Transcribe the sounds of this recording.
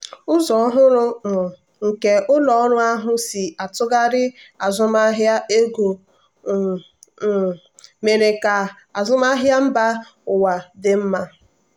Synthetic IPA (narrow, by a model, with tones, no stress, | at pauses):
ʊ˦zɔ˨ɔ˦ɦʊ˦ɾʊ˦m̩˨ | ŋ̩˨ke˨ʔʊ˦lɔ˨ɔ˦ɾʊ˦a˦ɦʊ˦si˨a˨tʊ˦ɡa˦ɾɪ˦a˨zʊ˦ma˦ɦja˦ʔe˦ɡo˨ | me˨ɾe˨ka˨ | a˨zʊ˦ma˦ɦja˦m̩˦ba˦ | ʊ˨wa˨dɪ˦m̩˦ma˦